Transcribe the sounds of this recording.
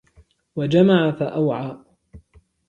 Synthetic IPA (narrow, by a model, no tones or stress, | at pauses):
wad͡ʒamaʕafaʔawʕaː